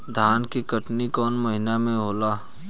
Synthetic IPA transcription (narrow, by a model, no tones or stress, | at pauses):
d̪ʱaːnkikəʈnikɔːnməɦɪnamẽɦoːlaː